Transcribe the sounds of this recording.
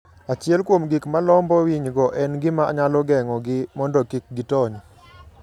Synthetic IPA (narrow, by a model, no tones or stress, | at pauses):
at͡ʃɪɛlkwomɡikmalɔmbɔwiɲɡɔʔɛnɡɪmaa̰ɲalɔɡɛŋɔɡɪmɔndɔkik̚ɡɪtɔɲ